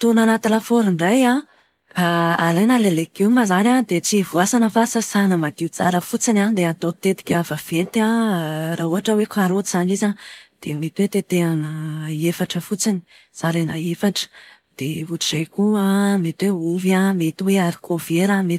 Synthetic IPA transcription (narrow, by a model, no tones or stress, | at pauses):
t̪unanat̪ilafoɾiɳɖ͡ʐaja | faalajnalelekimazanad̪et͡sivuasanəfasasanəmad̪iut͡saɾəfut͡sinand̪eat̪ot̪et̪i̥kʲavav̥et̪araɦuɦaʈ͡ʂəwekʰaɾozanizad̪̥emet̪wet̪et̪eanəefaʈ͡ʂəfut͡sini̥ | z̥aɾanaefaʈ͡ʂə̥ | d̪̥evuʈ͡ʂizejkuamet̪iweuvamet̪iweaɾi̥kʰoveɾame